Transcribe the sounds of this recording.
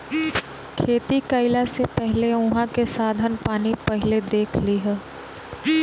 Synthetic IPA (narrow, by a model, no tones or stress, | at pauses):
kʰeːt̪ikəɪlasepɛɦleʊ̃ɦãkesaːd̪ʱənpaːnipɛɦɪled̪eːkʰliɦɛː